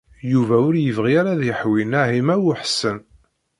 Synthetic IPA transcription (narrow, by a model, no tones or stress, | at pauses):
juvæʊɾjəvʁiaɾaðjəħwinæɦimæwʊħsən